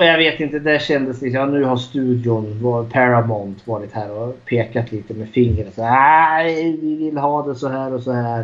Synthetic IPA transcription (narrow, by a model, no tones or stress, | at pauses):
ɔjɑɡveːt̪ɪnt̪əd̪æɕɛnd̪əsd̪ɛɪsɑːnʉ̟ːhaɾʂt̪ʉ̟ːd̪ɪʊnvɑpʰæɾamɔnt̪vɑːɾɪt̪hæːɾɔpʰeːkat̪ʰliːt̪əmɛfɪŋːɾəsɔa | vɪvɪlːɦɑːd̪ɛsɔɦæːɾɔsɔhæːɾ